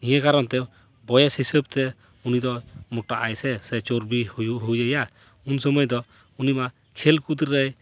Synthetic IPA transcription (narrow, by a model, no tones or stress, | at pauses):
ĩjɛkaɾɔnt̪ɛ | bɔjɛshisəb̚t̪ɛ | unid̪ɔmɔʈaʔajsɛsɛt͡ʃoɾbihujuɦujəja | unsɔmɔjd̪ɔ | unima | kʰɛlkud̪ɾɾɛj